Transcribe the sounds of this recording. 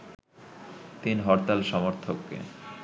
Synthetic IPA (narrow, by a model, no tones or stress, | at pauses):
t̪inɦɔɾt̪alʃɔmoɾt̪ʰokːḛ